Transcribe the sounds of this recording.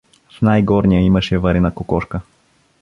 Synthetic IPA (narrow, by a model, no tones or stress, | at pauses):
fnajɡɔɾnijəiməʃɛvɐɾɛnəkokɔʃkə